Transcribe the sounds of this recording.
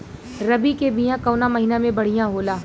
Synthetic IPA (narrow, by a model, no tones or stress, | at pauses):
ɾɐbikebijãkɐːnamɐɦinamẽbɐɽ̤ijãɦoːlaː